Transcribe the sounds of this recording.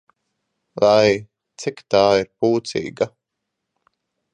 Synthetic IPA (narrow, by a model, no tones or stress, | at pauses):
laj | t̪sikt̪aːiɾpuːt̪sḭːɡa